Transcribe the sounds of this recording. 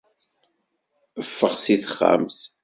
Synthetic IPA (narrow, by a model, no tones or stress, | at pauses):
əfːəχsiθəχːa̰ms